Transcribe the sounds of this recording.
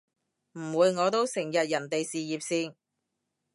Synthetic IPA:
m̩˨˩wuː˨˧jŋɔː˨˧t̪o˥wsɪ˨˩ŋjɐ˨t̚jɐ˨˩nt̪e˨jsiː˨jiː˨p̚siː˧n

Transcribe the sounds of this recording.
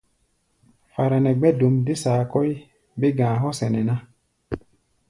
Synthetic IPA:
fa˨ɾɛ˨nɛ˨ɡ͡bɛ˦do˨mde˦saː˨kɔ˦j | be˦ɡãː˨ɦɔ˦sɛ˨nɛ˨nã˦

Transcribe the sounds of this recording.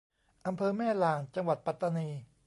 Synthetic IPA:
ʔa˧mpʰɤː˧mɛː˥˩laː˧nt͡ɕa˧ŋwa˨˩t̪̚pa˨˩t̪ːa˧niː˧

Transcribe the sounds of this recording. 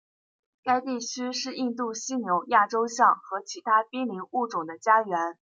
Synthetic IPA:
ka˥ɪt̪i˥˩t͡ɕʰy˥ʂɻ̩˥˧i˥˧nt̪u˥˩ɕi˥njʊ˧˥ŋja˥˩ʈ͡ʂo˥ʊɕjɑ˥˩ŋxɤ˧˥t͡ɕʰi˧˥t̪ʰa˥pi˥nli˧˥nu˥˩ʈ͡ʂʊ˨˩ŋd̪ə˦t͡ɕja˥ɥɛ˧˥n

